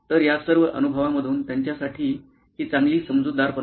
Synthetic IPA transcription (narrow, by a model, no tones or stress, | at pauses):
t̪əɾjasəɾʋəʔə̰nubʱəʋaməd̪ʱuːnt̪jaɲt͡ɕjasaʈʰiː | ɦiːt͡sãŋɡliːsəmd͡zud̪ːaɾpə